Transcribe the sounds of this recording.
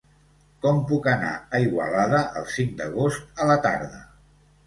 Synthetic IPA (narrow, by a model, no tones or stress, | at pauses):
kɔmpukəna̰əiɣwə̰laðəʔəlˠsiŋd̪əɣ̞ost̪ələt̪a̰ɾðə